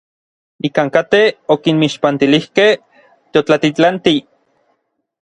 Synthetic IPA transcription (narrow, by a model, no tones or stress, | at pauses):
ikaːŋkat̪eokinmiʃpant̪ilihkeh | t̪eot͡ɬat̪it͡ɬant̪i